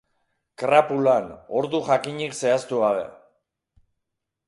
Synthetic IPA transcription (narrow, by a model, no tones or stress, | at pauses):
kɾapulano̞ɾðuʝakiɲikse̞ast̪uɣaβ̞e̞̰